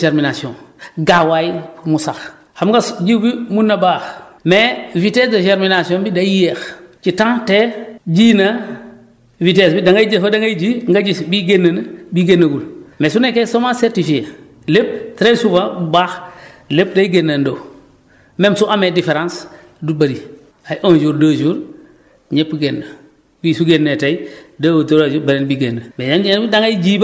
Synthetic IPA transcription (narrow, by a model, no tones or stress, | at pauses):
teɾminasiõɡawajumusax | hamɡasɟiwbimunːɐbaːxmevitesdɐteɾminasiõbidaijext͡ʃitãŋteɟinɐ | vitesbidaŋɡajd͡ʒefɐdɐŋɡajd͡ʒiŋɡaɟisbiɡenːanbiɡenːaɡulmesunekesomaseɾtifie | lep̚tɾejsufabubaːx | lep̚dajiɡenːando | memsuʔamedifeɾãns | dubaɾi | ajʔond͡ʒuːɾdaːd͡ʒuːɾ | ɲepɡenːa | biːsuɡenːetaidawtoɾad͡ʒubeɾenbiɡenːamejamidaŋaid͡ʒiːb